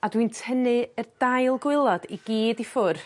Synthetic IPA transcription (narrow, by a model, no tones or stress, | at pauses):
adwintʰənɨərd̥ajlˠɡwɪlˠɔdiɡiːdifʊr